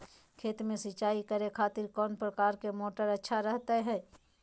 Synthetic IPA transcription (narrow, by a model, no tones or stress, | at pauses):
kʰeːt̪mẽsɪt͡ʃaːikəɾekʰaːt̪ɪɾkɔːnpɾəkaːɾkemoːʈəɾɐtːʃʰaɾɛɦt̪aɦɛː